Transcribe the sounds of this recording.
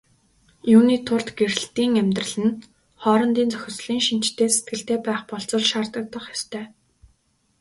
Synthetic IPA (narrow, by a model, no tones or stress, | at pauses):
juːniːt̪ʰʊɮt̪ɡeɾɘ̆ɬt̪iːŋæmʲt̪rə̆ɮɘ̆n | χɔːɾɞ̆nt̪iːnt͡sœxʲɪ̆sɮiːŋʃin̥t͡ɕt̪ʰeːse̥t̪̚ɡɘ̆ɬt̪eːpæːχpɔɮt͡sɞ̆ɮʃaːrt̪ə̆k̚t̪ə̆χjast̪ʰœː